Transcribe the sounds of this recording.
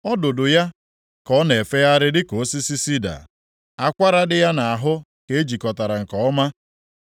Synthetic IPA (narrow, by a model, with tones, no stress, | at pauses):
ɔ˦dʊ˨dʊ˨ja˦ | kɔ˨˦ne˨e˨fe˦ja˦ɾɪ˦dɪ˦ko˨˦si˦si˦si˦da̰˨ | a˦kʷa˦ɾa˦dɪ˦ja˦na˨a˨ɦʊ˦ | ke˨e˦d͡ʒi˨kɔ˨ta˨ɾa˨ŋ̩˨kɔ˨ɔ˦ma˦